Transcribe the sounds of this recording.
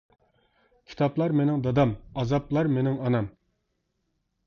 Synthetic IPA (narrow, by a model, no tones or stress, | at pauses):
kʲʰi̥t̪ʰɑplˠɑɾmenɪŋd̪ɑd̪ɑmɑzɑplˠɑɾmenɪŋɑnɑm